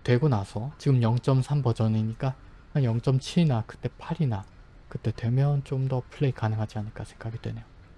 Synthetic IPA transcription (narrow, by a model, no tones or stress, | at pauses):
tweɡonasʰʌt͡ɕiɡɯmjʌŋt͡ɕ͈ʌmsʰambʌd͡ʑʌniɲik͈a | ajʌŋt͡ɕ͈ʌmt͡ɕʰiɭnakɯ̥t͈e̞pʰaɾina | kɯt͈e̞twe̞mjʌnt͡ɕ͈omdʌpʰɯɭːe̞ikanɯŋɦad͡ʑianɯɭk͈asʰe̞ŋɡaɡidwe̞ne̞jo